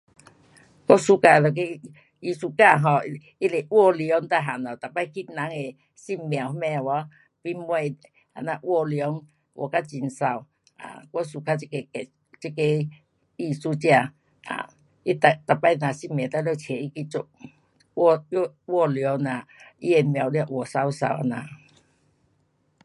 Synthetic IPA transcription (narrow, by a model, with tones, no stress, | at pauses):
kɔ˦su˦ka˧˨lɔ˨˩k̬e˦˧ | i˧su˦ka˥˧˨ɦɔ˨˧˦ | i˦le˨wɔ˥˧ljɔ˨˦ŋt̪a˧˨ɦa˨˩nɔ˨˩t̪a˨pa˦˧jki˦na˨˦ŋe˨ | si˧˨mmːj̃a˨˩whmɛ̃˧˨wɔ˧˦ | pi˦m˦e˧˨ | ha̰˨˩na˧˨ʔwɔ˧ljɔ˨˦ŋ | wʔɔ̰˨ka˦t͡ɕi˧˨nsa˨˧w | a̰˨kɔ˦su˨kʰa˦i˧ke˧kɛ˨ | t͡ɕi˦ke˧ | i˧su˦t͡ɕja˧˨ | a̰˨ | i˦t̪a˧t̪a˨˩pːa˧jnã˨si˧˨mjã˨t̪a˧˦lo˧˨t͡ɕʰe˨i˦ki˧t͡su˧˦k̚ | wɔ˥˧ljɔ˨˦nã˨i˦e˨mj̃a˨˩wlja˧ʔwɔ˨˩sa˦wsa̰˧˨wa̰˨˧nã˧˨